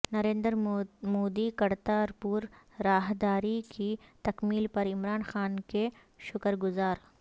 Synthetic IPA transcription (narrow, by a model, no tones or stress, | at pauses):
nɐɾẽːnd̪əɾmoːd̪ikɐɾt̪aɔɾpuːɾ | ɾaːɦd̪aːɾikit̪ɐkmiːlpɐɾɪmɾaːnxaːnke | ʃʊkəɾɡʊzaːɾ